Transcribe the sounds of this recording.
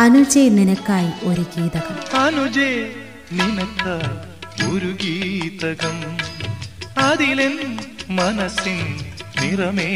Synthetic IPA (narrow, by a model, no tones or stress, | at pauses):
ɐnud͡ʑeːninɐkːaːjiloɾukiːðɐɣɐmɐnud͡ʑeː | ninɐt̪ːɐ | oɾuɡiːt̪ɐɣɐm | ɐd̪ilenmɐnɐsinnirɐme